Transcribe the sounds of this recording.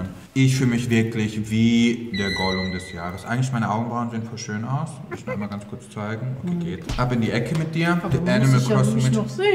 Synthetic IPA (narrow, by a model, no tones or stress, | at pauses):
n | ʔɪçfyːləmɪçv̥ɪɐklɪçviːd̥eːɐɡɔlʊŋdɛsjaːʁəsʔa̰ɪɡŋ̩tlɪçmaɪnəʔaʊɡŋ̩bʁaʊnzeːənfɔɐʃøːnaʊsdɪçnʊɪmɐɡant͡skʰʊɐt͡st͡saɪɡŋ̩o̰kʰeːɡeːthaːbɪndiːʔɛkʰəmɪt̚d̥iːɐd̥iʔɛnɪməlkʰɔstmɪ